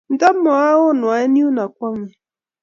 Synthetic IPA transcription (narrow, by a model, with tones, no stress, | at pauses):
n̩˨da˦m̩˦mɔ˨a˦ɣʊ˦˨nʊ˨a˨˦ɪ˦ni˦u˦na˨k̚ʷɔ˦mɪ˦